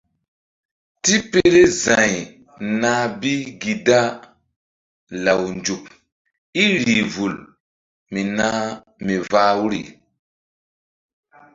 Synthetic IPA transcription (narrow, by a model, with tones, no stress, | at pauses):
ti˦pe˦ɾe˦zã˨j | na˦bi˦ɡi˨da˦ | la˨wnd͡ʒu˨p̚ | i˦ɾiː˨vu˨l | mi˨na˦ | mi˨vaː˦wɾḭ˨